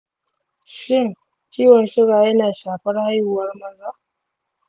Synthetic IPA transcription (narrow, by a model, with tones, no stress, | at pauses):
ʃɪ˦˨ŋ | t͡ʃiː˦wɐ˨nʃɪ˦ɽaː˨jɐ˦naː˨ʃaː˨ɸɐ˦rha˦ju˨wɐ˦rmɐ˦˨zaː˦˨ʔ